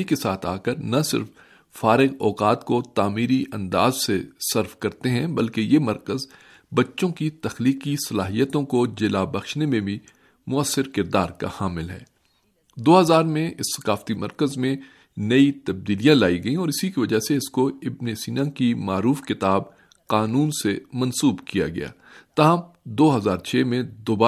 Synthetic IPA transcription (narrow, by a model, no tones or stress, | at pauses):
ikesaːt̪ʰa̰ːkəɾnɐsɪ̰ɾf | faːɾɪqɔːqaːt̪kot̪aːmiːɾiʔɐ̃nd̪aːzsesɐɾfkɐɾt̪eɦɛ̃bɐlkejemɐɾkəz | bɐtːʃõkit̪ɐxliːkisɐlaːɦijət̪õkod͡ʒɪlabɐxʃnemẽbʱĩ | mʊəsːɪɾkɪɾd̪aːɾka̰haːmɪlɦɛ̰ː | d̪oːɦɐzaːɾmẽʔɪsːɐ̥qaːft̪imɐɾkəzmẽ | nɐit̪ɐb̚d̪iːlijãlaːiɡɐĩɔːɾɪsikiʋɐd͡ʒaɦseɪskoɪbneːsiːnãkimaːɾuːfkɪt̪aːb | qaːnuːnsemɐ̃nsuːbkija̰ɡɐ̰ja̰ː | t̪aːɦə̃m | d̪oːɦɐzaːɾt͡ʃʰeːmẽd̪ʊbaː